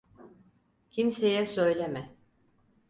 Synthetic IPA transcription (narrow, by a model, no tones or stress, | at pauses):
cʰimsejɛsø̞jlʲemɛ